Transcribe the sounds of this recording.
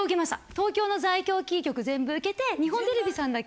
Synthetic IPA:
ɯ̟ke̞maɕi̥t̪a̰t̪o̞ːkʲo̞ːno̞zaikʲo̞ːkʲiːkʲo̞kɯ̟zẽ̞mbɯ̟ɯ̟ke̞t̪e̞ɲ̟iɦõ̞nt̪e̞ɾʲebʲisãnd̪a

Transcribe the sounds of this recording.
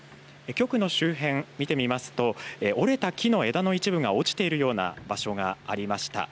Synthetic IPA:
ekʲo̞kɯ̟no̞ɕɨːɦẽ̞ŋmʲit̪e̞mʲimasɨ̥t̪o̞eʔo̞ɾe̞t̪akʲʰino̞e̞d̪ano̞it͡ɕibɯ̟ɡao̞t͡ɕi̥t̪e̞iɾɯ̟jo̞ːna̰baɕo̞ɡaːɾʲimaɕi̥t̪a̰

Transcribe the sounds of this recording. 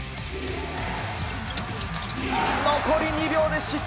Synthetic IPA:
makʰoɾʲiɲiɾʲjo̞ːd̪eɕik

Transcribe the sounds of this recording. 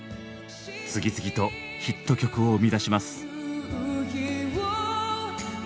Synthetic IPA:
t͡sɨɡʲit͡sɨɡʲit̪o̞ | çit̪ːo̞kʲo̞kɯo̞ːmʲid̪aɕimasɨ̥ | hiwo

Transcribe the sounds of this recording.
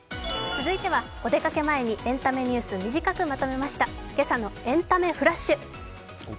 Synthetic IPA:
t͡sɨzɨit̪e̞β̞a | o̞d̪e̞kake̞mae̞ɲ̟iʔẽ̞nt̪ame̞ɲ̟ɨːsɨmʲiʑikakɯ̟mat̪o̞me̞maɕi̥t̪a | ke̞sano̞ẽ̞nt̪ame̞ɸɯ̟ɾaɕːɨ

